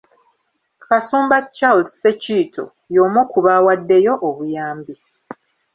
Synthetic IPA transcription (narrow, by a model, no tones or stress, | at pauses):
kasuːmbat͡ʃːalːeciːtʰo̰ | joːmokuβawadːe̞jo̞ʔːβujaːmbi